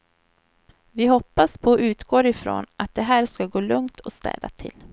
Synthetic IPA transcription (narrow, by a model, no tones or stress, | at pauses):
vɪɦɔpːaspʰɔʔʉ̟ːt̪ɡoːɾɪfɾo̰ːnat̪̚d̪ɛɦæːɾskaɡoːlɵŋt̪ʰɔst̪ɛ̰ːd̪a̰t̪ʰɪ̰l